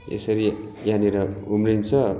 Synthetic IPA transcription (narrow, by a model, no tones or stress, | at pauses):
ḛsʌɾijaneɾʌumrint͡sʰʌ